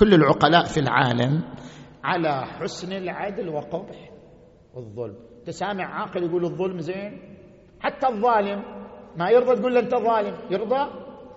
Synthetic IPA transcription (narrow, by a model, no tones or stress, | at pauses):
kʊlːɪlʕʊqɑlaːʔfilʕa̰ːlam | ʕalaħʊsnɪlʕad̪lwɪqʊbħ | wɨðˤːʊ̰lm | t̪ɪsaːmaʕʕaːqɪljɡuːlɨðˤːʊlmzeːn | ħat̪ːaðˤːɑːlɪmːajɨɾd̪ˤɑt̪̚ɡuːlːʔɪnt̪aðˤɑːlɪmjɨɾd̪ˤɑ